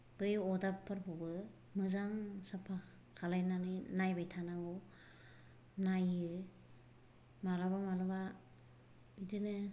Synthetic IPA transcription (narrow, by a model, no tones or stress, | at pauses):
b̥ɯjɔdapʰːɯɾpʰubɯ | mɯzaŋsapʰa | kʰalajnanɯnajbajtʰanaɡɔ | najɯ | malabamalaba | dinɯ